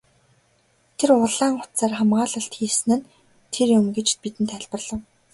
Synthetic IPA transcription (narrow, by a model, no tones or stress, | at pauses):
t̪ʰerʊɮaːŋχʊ̥t̪saːrχamɢaːɮə̆ɬt̪xiːsɘ̆nɘ̆n | t̪ʰerjʊmɡet͡ɕt̪pit̪ɘ̆nt̪ʰæɮpə̆rɮə̆w